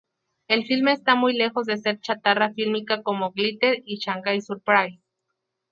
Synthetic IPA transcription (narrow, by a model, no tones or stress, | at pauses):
elfilmeːst̪amujle̞xo̞zðese̞ɾt͡ʃat̪arafilmikakomoɣlit̪eɾit͡ʃaŋɡajsuɾpɾaj